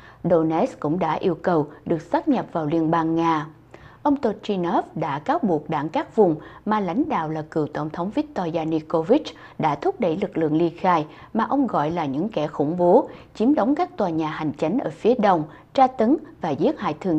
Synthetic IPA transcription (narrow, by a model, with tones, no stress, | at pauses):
ɗo˧nɛ˦˥skʊ̰˧˥ŋ͡mɗa̰ː˧˥ʔi˧əwkə˨˩wɗɨ˨˩ək̚saː˦˥k̚ɲə˨˩p̚vaː˨˩wli˧ənɓaː˧nŋaː˧ | ʔə˧wŋ͡mt̪o˧t͡ɕi˧nɔ˦˥fɗa̰ː˧˥kaː˨˦wɓu˨˩ək̚ɗa̰ː˧˩ŋkaː˦˥k̚vʊ˨˩ŋ͡mmaː˨˩la̰˧˥jŋ̟ɗa̰ː˧˨wlaː˨˩kɨ˨˩əwt̪ə˧˩wŋ͡mt̪ʰə˨˦wŋ͡mvi˦˥t̚t̪ɔ˧zaː˧ni˧ko˧vi˦˥t͡ɕ | ɗa̰ː˧˥t̪ʰʊ˦˥k͡p̚ɗə˧˩jlɨ˨˩k̚lɨ̰˧˨əŋli˧əxaː˧j | maː˨˩ʔə˧wŋ͡mɣɔ̰˧˨jlaː˨˩ɲɨ̰˧˥ŋkɛ˧˩xʊ̰˧˩ŋ͡mɓo˨˦t͡ɕi˨˦əmɗə˨˦wŋ͡mkaː˦˥k̚t̪waː˨˩ɲaː˨˩ha˨˩jŋ̟t͡ɕa˨˦jŋ̟ʔəː˧˩fi˨˦əɗə˧wŋ͡m | t͡ɕaː˧t̪ə˨˦ŋvaː˨˩zi˦˥ət̚ha̰ː˧˨jt̪ʰɨ˨˩ŋ